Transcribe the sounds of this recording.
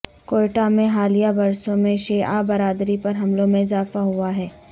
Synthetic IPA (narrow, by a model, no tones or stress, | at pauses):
koːʈamẽɦaːlijabɐɾsõmẽʃeːabɐɾaːd̪ɾipɐɾɦɐmlõmẽɪzaːfaɦuaɦɛː